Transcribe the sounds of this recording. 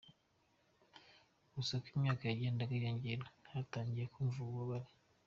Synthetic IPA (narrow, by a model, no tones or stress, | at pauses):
ɡusakimɲaːkajaɟe̞ːndakajoːɲɟeɾahataːɲɟijekuːɱvuβaβaɾi